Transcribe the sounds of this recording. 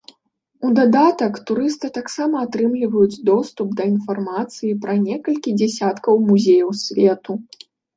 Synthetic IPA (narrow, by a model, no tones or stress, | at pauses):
ud̪ad̪at̪ɐkt̪uɾɨst̪ɨt̪aksamɐːt̪ɾɨmlʲivɐjud͡zʲd̪ɔst̪up̚d̪ɐin̪farmat̪sɨjipɾɐnʲɛkɐlʲkʲid͡zʲɛsʲat̪kɐwmuzʲejɐwsʲvʲɛt̪u